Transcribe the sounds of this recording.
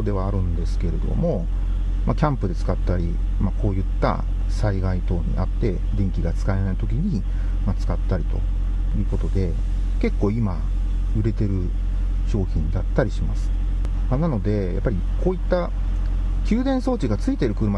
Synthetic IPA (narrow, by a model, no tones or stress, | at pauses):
od̪e̞β̞aːɾɯ̟̃nd̪e̞sɨ̥ke̞ɾe̞d̪o̞̰mo̞ | makʲãmpɯ̟d̪e̞t͡sɨ̥kat̪ːaɾʲi | mako̞ːjɯ̟t̪ːa̰ | saiɡait̪o̞ːɲ̟ḭʔa̰t̪ːe̞ | d̪ẽ̞ŋkʲiɡat͡sɨ̥kaenait̪o̞kʲiɲ̟i | mat͡sɨ̥kat̪ːaɾʲit̪o̞ | jɯ̟ːko̞t̪o̞d̪e̞ | ke̞kːo̞ːima | ɯ̟ɾe̞t̪e̞ɾɯ̟ | ɕo̞ːçʲĩnd̪at̪ːaɾʲiɕimasɨ̥ | manano̞d̪e̞ja̰pːaɾʲikʰo̞ːit̪ːa | kʲɨːd̪ẽ̞ɰ̃so̞ːt͡ɕiɡat͡sɨit̪e̞ɾɯ̟kɯ̟ɾɯ̟ma